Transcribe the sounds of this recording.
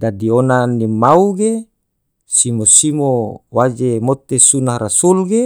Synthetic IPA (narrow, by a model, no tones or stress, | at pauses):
dadionanimauɡe | simosimowad͡ʒemot̪esunahrasulɡe